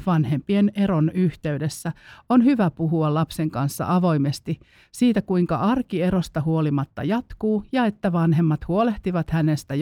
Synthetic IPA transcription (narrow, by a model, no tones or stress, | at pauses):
ʋɑnhe̞mpieneɾonyht̪eydesːæonhyʋæpuɦuɑlɑpseŋkɑnsːɑ̰ʔɑʋo̞imest̪i | siːt̪ækuiŋkɑʔɑrkieɾost̪ɑhuolimɑt̪ːɑ̰jɑt̪kuːjɑet̪ːæʋɑnɦemːɑt̪huoleht̪iʋɑt̪hænest̪æ